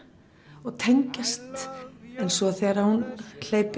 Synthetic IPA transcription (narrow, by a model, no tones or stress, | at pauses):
ɔɣt̪ʰejɲcast̪ejnsɔaθɛɾaɾhunl̥eːjp